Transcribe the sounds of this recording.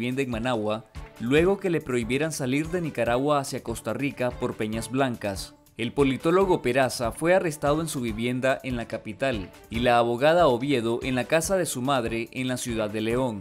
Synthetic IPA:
jend̪aeŋmanawalwe̞ɣo̞ke̞le̞pɾo̞iβje̞ɾansaliɾðe̞nikaɾaɣwaːsjako̞st̪arikapo̞ɾpe̞ɲazβlaŋkas | e̞lpo̞lit̪o̞lo̞ɣo̞pe̞ɾasafwe̞are̞st̪að̞o̞e̞nsuβ̞iβje̞nd̪aʔe̞nlakapit̪al | ilaːβo̞ɣað̞aoβje̞ð̞o̞ʔe̞nlakasaðe̞sumaðɾe̞ʔenlasjuðaðːe̞le̞o̞ŋ

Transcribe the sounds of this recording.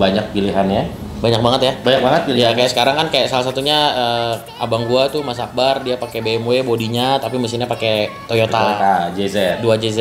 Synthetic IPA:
baɲak̚piliɦanja | baɲak̚baŋət̪jabaɲak̚baŋət̪̚pilijakajaʔsə̥kaɾaŋkankajaʔsalasat̪uɲaəː | abaŋɡuat̪umas̬ak̚bardiapakebeːmwebodiɲat̪apiməsiɲapaket̪ojot̪at̪ad͡ʒezɛduad͡ʒezɛ

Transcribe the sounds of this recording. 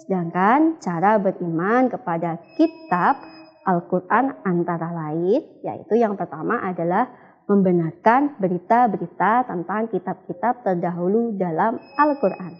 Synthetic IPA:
sədaŋkant͡ʃaɾabəɾimankəpadakit̪ap̚ | ʔalkurʔanant̪aɾalaɪnja̰ḭt̪ujaŋpərt̪amaʔadalah | məmbənarkanbəɾit̪abəɾit̪at̪ənt̪aŋkit̪ab̚kit̪ap̚t̪ərdaɦuludalamalkurʔan

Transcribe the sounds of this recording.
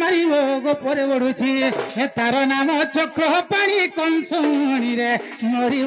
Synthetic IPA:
aɾibɔɡɔpɔɾebɔɽut͡ʃʰiet̪aɾɔnamɔt͡ʃɔkɾɔɦpaɽ̃ikɔnsɔũɔɽ̃iɾe | ŋɔɾi

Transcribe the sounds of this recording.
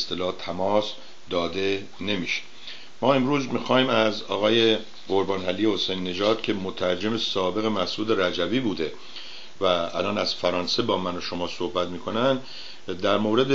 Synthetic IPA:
est̪elɒːht̪ʰæmɒːs | d̪ɒːd̪e̞ | ne̞miʃe̥ | mɒːe̞mɾuːzmixɒːhiːmæzɒ̰ːɣɒːje | oɾbɒːnɦælijehosejnːe̞d͡ʒɒːd̪̥cʲʰe̞mot̪ʰæɾd͡ʒe̞mesɒːbe̞ɣe̞mæhsuːd̪e̞ɾæd͡ʒæviːbuːd̪e̞ | væ̰ːlɒːnæz̥fæɾɒːnse̞bɒːmænoʃo̞mɒːsohbæt̪miːkʰo̞nænd̪ | d̪æɾmoːɾe̞d̪e

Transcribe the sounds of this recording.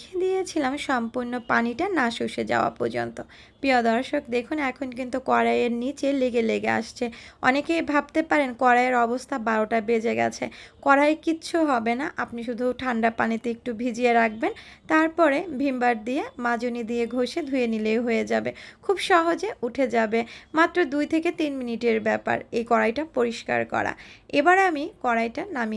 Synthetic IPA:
ed̪ijet͡ɕʰilamʃɔmpuɾnːopaniʈanaʃuʃed͡ʑa̰oa̰pɔɾd͡ʑo̰nt̪o | pijod̪ɔɾʃok̚d̪ekʰunɛkʰonkint̪ukɔɾaeɾnit͡ɕeleɡeleɡea̰ʃt͡ɕʰeɔ̰nekejbʱabt̪epaɾenkɔɾaeɾɔbost̪ʰabaɾoʈabed͡ʑeɡɛ̰t͡ɕʰekɔɾaekitːɕʰuɦɔbenaʔapniʃ̬ud̪ʱuʈʰaɳɖapanit̪eek̚ʈubʱid͡ʑieɾak̚ʰbent̪aɾpɔɾebʱimbaɾd̪iemad͡ʑonid̪ieɡʱoʃed̪ʱujenilejɦojed͡ʑabekʰubʃɔɦod͡ʑeuʈʰed͡ʑabemat̪ːɾod̪ujt̪ʰeket̪inminiʈeɾbɛpa̰ɾejkɔɾajʈapoɾiʃka̰ɾkɔ̰ɾa̰ebaɾeamikɔɾajʈanami

